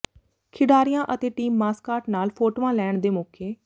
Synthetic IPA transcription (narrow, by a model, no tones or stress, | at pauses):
kʰɪɖaːɾɪjãːʔət̪eːʈiːmːaːskaːɾʈnaːlpʰoːʈːʋãːlɛːɳd̪eːmoːkʰeː